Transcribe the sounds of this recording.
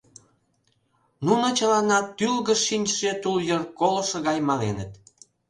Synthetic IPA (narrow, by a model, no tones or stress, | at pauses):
nunot͡ɕə̆lɑnɑt̪ylɣə̆ʃːinʲt͡ɕʃet̪uljərkoləʃə̆ɣɑjmɑlenət̪